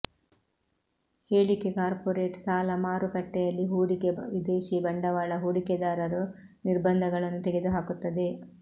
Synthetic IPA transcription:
heːɭike̞kaːɾpoɾeːʈsaːlɐmaːɾukɐʈːɛjɐlːiɦuːɽikeʋid̪eːʃibɐɳɖɐʋaːɭɐɦuːɽiked̪aːɾɐɾu | niɾbɐnd̪ʱɐɡɐɭɐnːut̪ɛɡe̞d̪uɦaːkut̪ːɐd̪e̞

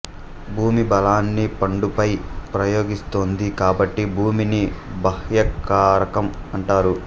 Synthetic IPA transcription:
bʱuːmibɐlaːnːipɐɳɖupɐjpɾɐjo̞ːɡist̪oːnd̪ikaːbɐʈːibʱuːminibɐhjɐkaːɾɐkɐmɐɳʈaːɾu

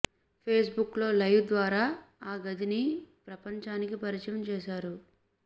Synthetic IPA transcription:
pʰeːs̬buklo̞ːlɐjʋd̪ʋaːɾaːaːɡɐd̪inipɾɐpɐɲt͡ʃaːnikipɐɾit͡ʃɐjɐmt͡ʃɛːʃaːɾu

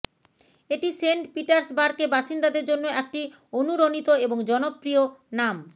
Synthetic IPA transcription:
eʈiseɳʈpiʈaɾsbaɾkebaʃind̪ad̪eɾd͡ʑonːoɛk̚ʈi | onuɾonit̪oeboŋd͡ʑɔnopːɾionam

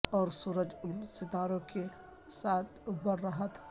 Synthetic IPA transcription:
ɔːɾsuːɾəd͡ʒʊlsɪt̪aːɾõke | saːt̪ʰbəɽɾəɦat̪ʰḁ

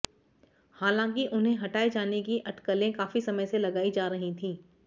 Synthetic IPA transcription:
haːlãːŋkiʔʊnɦẽɦɐʈaːed͡ʒaːnek̬iʔɐʈkəlẽkaːfisɐməjselɐɡaːid͡ʒaːɾɐɦĩt̪ʰĩː

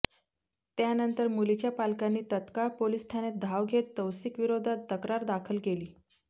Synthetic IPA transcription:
t̪janənt̪əɾmulit͡ɕjapalkanːiːt̪ət̪kapolisʈʰañed̪ʱaʋɡʱet̪ːəwsikʋiɾod̪ʱat̪ːəkɾaɾd̪akʰəlkeliː

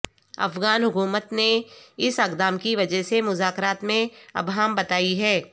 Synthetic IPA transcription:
ɐ̰fɣaːnɦʊkuːmət̪neɪsɐkd̪aːmkiʋɐd͡ʒəɦsemʊzaːkɾaːt̪mẽɐ̰bɦaːmbɐt̪aːiɦɛː

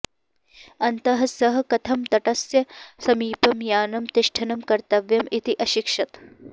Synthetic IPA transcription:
ɐnt̪ɐɦɐsɐɦɐkɐt̪ʰɐmt̪ɐʈɐsjɐsɐmiːpɐmjaːnɐmt̪ɪʃʈʰɐnɐmkɐɾt̪ɐʋjɐmit̪iʔɐʃikʂɐt̪

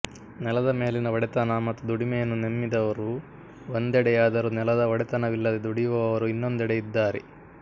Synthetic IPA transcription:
nɛlɐd̪ɐme̞ːlinɐʋɐɽɛt̪ɐnɐmɐt̪ːud̪uɽimɛjɐnːunemːid̪ɐʋɐɾu | ond̪ɛɽɛjaːd̪ɐɾunɛlɐd̪ɐʋɐɽɛt̪ɐnɐʋilːɐd̪ed̪uɽiʋɐʋɐʋɐɾuinːond̪ɛɽɛjid̪ːaːɾɛ

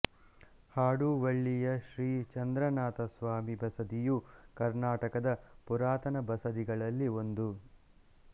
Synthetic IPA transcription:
haːɽuʋɐɭːijɐʃɾiːt͡ʃɐnd̪ɾɐnaːt̪ɐsʋaːmibɐsɐd̪ijukɐɾnaːʈɐkɐd̪ɐpuɾaːt̪ɐnɐbɐsɐd̪iɡɐɭɐlːio̞nd̪u

